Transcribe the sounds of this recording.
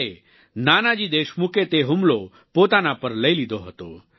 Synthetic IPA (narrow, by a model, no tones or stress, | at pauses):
e | naːnad͡ʑid̪eːʃmuket̪eɦumlo | pot̪anapəɾləjlid̪oɦət̪o